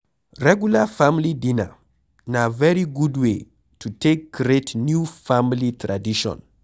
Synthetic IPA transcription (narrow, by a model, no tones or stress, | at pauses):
ɾɛɡjulafamilidina̰ | navɛɾiɡudwe | tʰutʰek̚ɡɾetnjufamilitɾadiʃɔ̰̃n